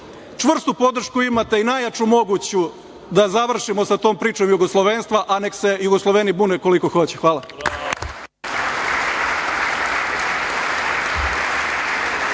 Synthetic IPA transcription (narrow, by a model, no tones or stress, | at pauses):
t͡ʃʋr̩st̪upo̞d̪r̩ʃkuimat̪e̞inajat͡ʃumo̞ɡut͡ɕu | d̪azaʋr̩ʃimosat̪o̞ːmpɾiːt͡ʃo̞mjuɡoslˠoʋeːnst̪ʋaʔane̞kse̞juɡoslˠoʋe̞nibuːneko̞liko̞xo̞t͡ɕexʋaːla